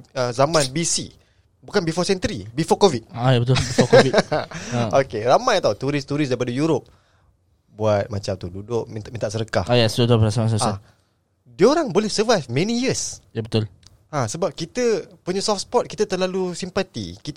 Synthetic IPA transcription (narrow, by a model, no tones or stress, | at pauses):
əzamãnbisi | bukanbifɔsɛnt̪əɾibifɔkovit̪̚ajabət̪ʊlbifɔkovi | okeramajt̪aut̪uɾist̪uɾɪs̬daipadajuɾop̚ | buat̪̚mat͡ʃamt̪ududʊʔ̚mint̪aʔmĩnt̪aʔsəɾəkahajasdut̪oəɾasamãnsəsa | dioɾaŋbolɛhsəvajfmɛ̃nijəsjabət̪ʊl | asəbap̚kit̪əpuɲəsɔfspɔt̪̚kit̪at̪əlalusimpat̪ḭkit̪